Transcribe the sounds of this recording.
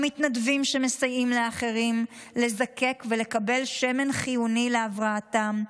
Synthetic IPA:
mitnadvimʃeme̞sajimleaχe̞ʁim | le̞zake̞kvele̞kabe̞lʃe̞me̞nχijunileavʁaːtam

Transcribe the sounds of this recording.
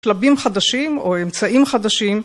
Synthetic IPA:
klabimχad̪aʃimoemt͡saʔimχad̪aʃim

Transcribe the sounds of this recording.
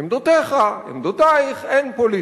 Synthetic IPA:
imd̪ot̪eχaḭmd̪ot̪aiχejnpoli

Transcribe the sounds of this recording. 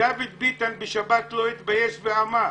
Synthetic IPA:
avid̪̚bit̪anbeʃabat̪loit̪bajeʃveama

